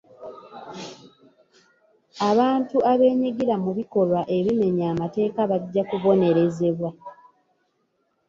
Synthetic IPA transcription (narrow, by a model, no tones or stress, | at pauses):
aβaːntuaβe̞ːɲiɡiɾamuβiko̞lwaʔe̞βime̞ɲaːmate̞ːkaβaɟːakuβo̞ne̞ɾe̞ze̞βwa